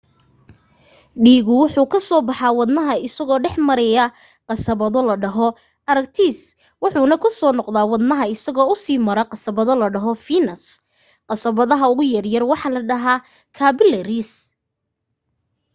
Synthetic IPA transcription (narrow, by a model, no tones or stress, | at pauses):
ɖiːɣʊwʊħuːkʰɐsɔːbɑħɑwɑd̪nɐɦɐɪsɐɣɔːɖɛħmɐɾɛjɐ | qɑsɐβɐðɔlɐɖɐɦɔ | ʔɐɾɐk̚t̪ʰis | wʊħuːnɐkʰʊsɔːnɔqðaːwɑd̪nɐɦɐɪsɐɣɔːʊsiːmɐɾɐqɑsɐβɐðɔlɐɖɐɦɔfinɐs | qɑsɐβɐðɐɦɐʊɣʊjɐrjɐrwɑħɑlɐɖɐɦaː | kʰaːbɪlɛɾɪs